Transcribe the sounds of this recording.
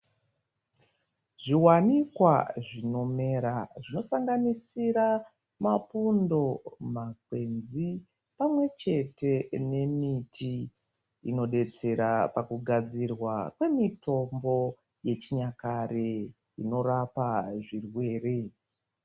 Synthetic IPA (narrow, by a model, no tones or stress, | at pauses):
ʐiwanikwa̰ʐino̞me̞ɾaʐino̞saŋɡanisiɾa | mapundo̞mak̚we̞nzi | pamwe̞t͡ʃe̞te̞ne̞mitʰi | ino̞ɗe̞d͡ze̞ɾapakuɡʱad͡zirwakwe̞mito̞mbo̞ | je̞t͡ʃiɲakare̞ | ino̞rapaʐirwe̞ːre̞